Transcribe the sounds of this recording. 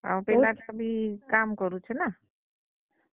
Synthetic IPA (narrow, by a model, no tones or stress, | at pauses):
a̰ũpelakabʱikamkɔɾut͡ʃʰena